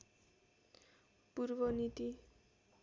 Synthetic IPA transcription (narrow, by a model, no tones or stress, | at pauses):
purbʌnit̪i